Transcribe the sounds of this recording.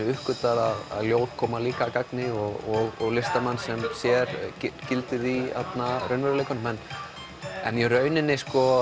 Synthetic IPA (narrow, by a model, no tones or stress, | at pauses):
ʏhkʏt̪aɾaða̰ðljoːwt̪kʰɔːmaliːkakaknɪɔɣɔɣɔɣlɪst̪amanːsɛmsjɛɾcɪcɪlt̪ɪðiat̪narœɥnvɛɾʏlejkanʏmɛn | ɛ̰njɛrœːɥnɪnːɪskɔ